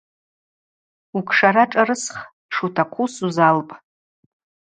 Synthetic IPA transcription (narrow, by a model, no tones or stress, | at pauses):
ukʷʰʂaɾaʈ͡ʂʼaɾɨsχ | ʂutʰaqʷʰusuzalpʼ